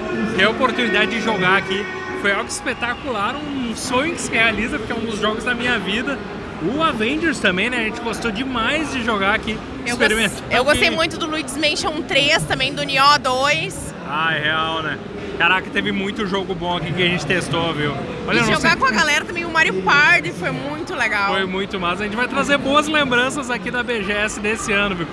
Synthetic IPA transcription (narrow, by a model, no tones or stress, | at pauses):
keɐopoɾt̪unid̪ad͡ʒɪd͡ʒɪʒoɡaaki | fojawɡʊʊɪspet̪akulaɾũsõɲʊkɪ̥sɪɪhealizɐpʊɾkɛũd̪ʊzʒɔɡʊzd̪ɐmĩɲɐvid̪ɐ | ʊavẽd͡ʒeɾst̪ɐ̃mbẽj̃nɛɐʒẽnt͡ʃɪɡost̪od͡ʒɪmajzd͡ʒɪʒoɡaaki | ɪspeɾimẽnt̪oewɡosejmũj̃t̪ʊd̪ʊluid͡ʒɪzmẽʃɐ̃ũt̪ɾest̪ɐ̃mbẽj̃d̪ʊuniɔd̪ojs | ajheawnɛ | kaɾakɪt̪evɪmũj̃t̪ʊʒoɡʊbõakikɪɐʒẽnt͡ʃɪ̥t̪est̪oviw | ɔʎɐñʒõsɡakõɐɡalɛɾɐt̪ɐ̃mẽj̃ʊmaɾiʊpaɾd̪ɪfojmũj̃t̪ʊleɡawfojmũj̃t̪ʊmazɐʒẽnt͡ʃɪvajt̪ɾazeɾboɐzlẽmbɾɐ̃sɐzakid̪ɐbeʒeɛsɪd̪esɪɐ̃nʊviw